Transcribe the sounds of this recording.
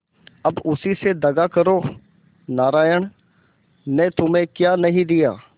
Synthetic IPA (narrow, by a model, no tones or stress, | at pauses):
ɐbʊsised̪ɐɡakəɾoː | naːɾaːjəɳ̃ | net̪ʊmẽkjaːnɐɦĩd̪ɪja̰ː